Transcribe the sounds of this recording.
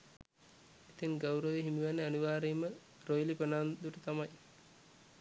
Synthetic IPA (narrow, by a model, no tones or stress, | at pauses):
it̪iŋɡawɾəʋeɦimiʋanːeaniʋaːɾejmə | rojlipənaːnd̪uʈət̪amaj